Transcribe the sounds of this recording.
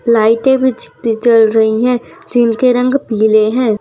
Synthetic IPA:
laːɪʈẽbʱid͡ʒɪt̪it͡ʃɐlɾɐɦiɦɛ̃d͡ʒɪnkeɾɐ̃ŋɡpiːleɦɛ̃ː

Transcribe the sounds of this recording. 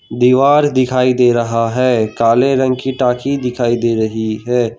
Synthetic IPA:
d̪iːʋaːɾd̪ɪkʰaːid̪eːɾɐɦaɦɛːkaːleɾə̃ŋɡkiʈaːkid̪ɪkʰaːid̪eːɾɐɦiɦɛː

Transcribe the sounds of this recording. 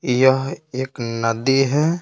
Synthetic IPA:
jəɦeːknəd̪iɦɛ

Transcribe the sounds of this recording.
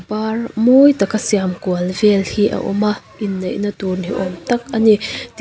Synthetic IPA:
parmojt̪ɐkasiamkuɐlvɛlhiʔa̰ʔɔ̰maʔinːejnɐt̪unhiʔɔmt̪ɐk̚ɐnit̪

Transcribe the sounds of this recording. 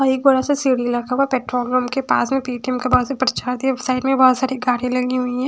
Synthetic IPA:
ɐeːkbɐɾasesiɽilɐkʰauwapɛːʈɾɔːlɡɾoːmkepa̰ːsmẽpiːʈiəmkabɔɦɔt̪sepɾt͡ʃaːɾd̪iasaːɪɖmẽbɔɦɔt̪saːɾiɡaːɽilɐɡiɦʊiɦɛ̃ː

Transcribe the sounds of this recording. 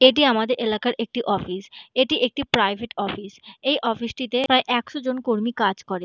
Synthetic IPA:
eʈ̬iamad̪eɾʔelakaɾʔek̚ʈiʔɔfiseʈiʔek̚ʈipɾajbʱeʈɔfisejʔɔfisʈit̪epɾaeʔɛkʃod͡ʑonkoɾmikad͡ʑkɔɾe

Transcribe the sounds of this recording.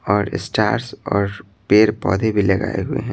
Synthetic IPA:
ɔːɾɪ̰sʈaːɾsɔːɾ | peːɾpɔːd̪ʱebʱilɐɡa̰ːeɦʊḛɦɛ̃

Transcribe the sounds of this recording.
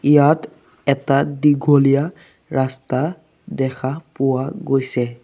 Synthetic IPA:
ijat | ɛtadiɡʱolija | ɹasta | dɛkʰapʊwaɡojsɛ

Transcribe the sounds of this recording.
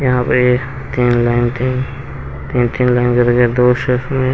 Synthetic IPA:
jɐɦãpe | t̪iːnlaɪnt̪in | t̪iːnt̪iːnlaːɪnkɐɾeɡed̪oːʃəsmẽ

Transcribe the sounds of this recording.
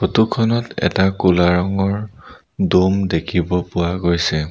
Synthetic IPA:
xotukʰɔnɔtɛ̰takulaɹɔŋɔɹ | dumdekʰibɔpʊwaɡojsɛ

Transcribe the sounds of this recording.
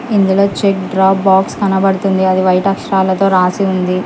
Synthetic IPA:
ind̪ulo̞ːt͡ʃek̚ɖɾaːbːaːkskɐnɐbɐɽut̪und̪iɐd̪iʋɐjɐʈɐkʂɐɾaːlɐt̪o̞ːɾaːsiund̪i

